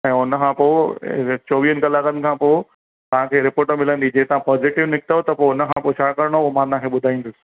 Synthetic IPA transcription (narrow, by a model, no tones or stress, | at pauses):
ɛ̃ːʊnəkʰãpoːt͡ɕoːʋiːənkɐlaːkən̆kʰãːpoː | t̪ɐʋ̤ãkʰeːɾɪpoːʈəmɪlə̃nd̪id͡ʑeːt̪ɐãpɔːzɪʈɪʋnɪk̚t̪əot̪ɐpoʊnəkʰãpot͡ɕʰaːkɐɾɽ̃oomãt̪ãkʰeːɓʊd̪ʱaĩːn̆d̪ʊsɪ̥̆